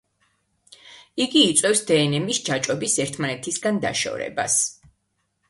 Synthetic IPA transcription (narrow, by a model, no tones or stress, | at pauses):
iɡiːt̪sʼwɛfsd̪ɛːnɛmisd͡ʒat͡ʃʼɔbisɛɾt̪ʰmanɛt̪ʰisɡand̪a̰ʃɔ̰vɾɛ̰ba̰s